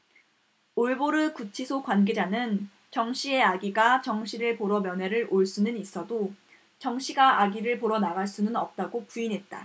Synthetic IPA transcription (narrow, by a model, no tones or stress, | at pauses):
oɭboɾɯkut͡ɕʰisʰokwanɡe̞d͡ʑanɯn | t͡ɕʌŋɕʰie̞aɡiɡat͡ɕʌŋɕʰiɾɯɭpoɾʌmjʌnɦe̞ɾɯɾoɭs͈unɯnis͈ʌdo | t͡ɕʌŋɕ͈ʰiɡaʔaɡiɾɯɭpoɾʌnaɡaɭs͈unɯnʌp̚t͈aɡopuinɦe̞t̚t͈a̰